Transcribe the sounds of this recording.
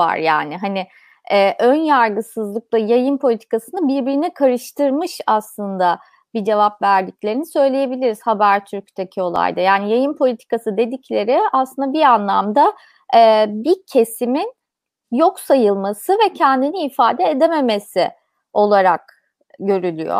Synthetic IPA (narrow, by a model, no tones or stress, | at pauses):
va̰ɾja̰ːnɪɦanɪ | ɛːʔønjaɾɡɯsɯzlˠɯk̚lˠajajɯnpʰolʲit̪ʰi̥kasɯnɯbiɾbiɾinikʰaɾɯʃt̪ʰɯɾmɯʃaslˠɯnd̪a | bid͡ʒe̞vapvæɾd̪iclʲe̞ɾinisø̞jlʲeje̞bilʲiɾiz̥habæɾt̪ʰyɾc̚t̪ʰecʰio̞lˠa̰jd̪ajaːnijajɯnpʰo̞lʲit̪ʰi̥kasɯd̪e̞d̪iclʲe̞ɾɪaslˠɯnd̪abianlˠamd̪a | ɛːbiɾcʰe̞simin | jo̞ksajɯlˠmasɯvɛcʰɛnd̪iniːfaːd̪ɛːd̪eme̞me̞sḭ | o̞lˠaɾak̚ | ɟø̞ɾylʲyjo̰